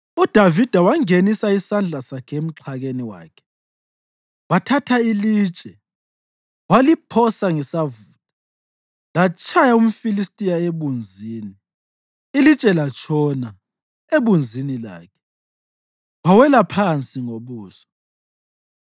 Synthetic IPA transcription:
ud̥ʱavid̥ʱawaŋenisaisand͡ɮʱasakʰem̩ǁʰaɣeniwa̰ːkʰɛ̥ | watʰatʰailiːt͡ʃʼɛ | walipʰɔsaŋisavuːtʼḁ | lat͡ʃʼʰajaum̩filistʼijaeβund͡zʱiːni | ilit͡ʃʼɛlat͡ʃʰʼɔna | eβund͡zʱinila̰ːkʰɛ̥ | wawɛlapʰant͡sʼiŋoβuːsɔ̥

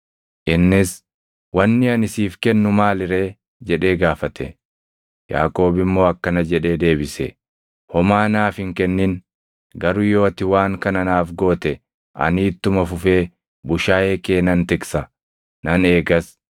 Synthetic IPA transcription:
ʔɪnːɪs | wɐnːɪɐnɪsiːfkɛnːʊmaːlɪɾe̞ː | d͡ʒɛᶑe̞ːɡaːfɐt̪ʰɛ̰ | ja̰ːkʼo̞ːbɪmːo̞ːɐkːɐnɐd͡ʒɛᶑe̞ːd̪e̞ːbɪsɛ | hɔmaːnaːfɪŋkɛnːɪn | ɡɐɾʊjo̞ːɐt̪ɪwaːŋkɐnɐnaːfɡo̞ːt̪ɛ | ʔɐ̰nɪːt̪ːʊmɐfʊfe̞ː | bʊʃaːjeːkeːnɐnt̪ɪksɐ | nɐneːɡɐs

